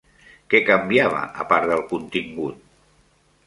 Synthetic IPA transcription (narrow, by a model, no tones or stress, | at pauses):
kɛkəmbiaβ̞ə̰ʔə̰paɾðəlˠkunt̪iŋɡut̪̚